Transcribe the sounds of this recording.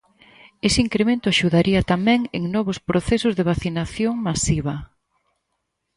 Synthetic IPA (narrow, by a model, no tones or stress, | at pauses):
esɪiŋkɾemẽnt̪ʊaʃuðaɾʔiɐt̪amɛ̃ŋeŋnɔβ̞ʊspɾoθesʊzðeβaθinaθjoŋmasiβɐ